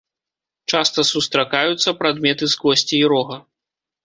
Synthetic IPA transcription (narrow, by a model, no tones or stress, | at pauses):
t͡ʂast̪ɐsust̪ɾakajut̪sːɐpɾad̪mʲɛt̪ɨzɡɔsʲt͡sʲiːɾɔɣɐ